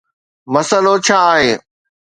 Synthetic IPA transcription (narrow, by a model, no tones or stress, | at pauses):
mɐsəlot͡ɕʰaːɦeː